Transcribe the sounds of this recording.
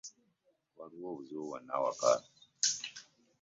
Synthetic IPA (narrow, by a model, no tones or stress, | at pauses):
waɾwovzowana̰wa̰ka̰